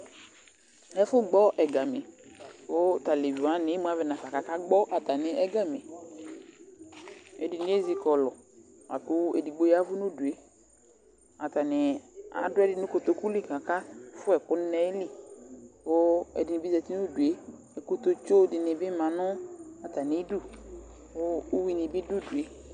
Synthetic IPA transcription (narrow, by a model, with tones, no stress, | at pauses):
ɛ˦fʊ˦ɡ͡bɔ˦ʔɛ˨ɡa˨mɪ˨ʊ˦t̪a˨le˨vi˨a˨˦nɪ˨˦mu˦a˦vɛ˨na˨fa˨ka˨ka˦ɡ͡bɔ˦ʔa˨t̪a˨nɪ˨ʔɛ˦ɡa˦me˨ | ɛ˨dɪ˨n˦e˦zi˦kɔ˨lɔ˨ | a̰˨kʊ˦ɛ̰˨di˨ɡ͡bo˨˦ja˦vʊ˦nʊ˦du˨e˨ | a˨ta˨nɪ˨a̰˨dʊ˦ɛ˦dɪ˦˨nʊ˦ko˨t̪o˨ku˦li˦˨ka˨ka˦fʊ˦ɛ˨kʊ˦n˦nɛ˦lɪ˦ | ʊ˦ɛ̰˨dɪ˨nɪ˨bi˦zɛ˨ti˦nʊ˦du˨e˦ | ɛ˨ko˦t̪o˦t͡ʃo˦dɪ˨nɪ˨bɪ˦mã˨nʊ˦a˨ta˨nɪ˨˦du˦ | ʊ˦wi˦nɪ˨bɪ˦dʊ˦˨du˨e˦